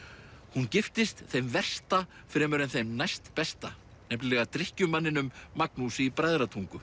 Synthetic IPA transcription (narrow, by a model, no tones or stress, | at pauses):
huncɪft̪ɪst̪θejmvɛr̥st̪a | fɾɛːmʏɾɛnθejmnajst̪pɛst̪a | nɛplɪlɛɣat̪ɾɪhcʏmanːɪnʏmːaknusɪipɾajðɾat̪ʰuŋkʏ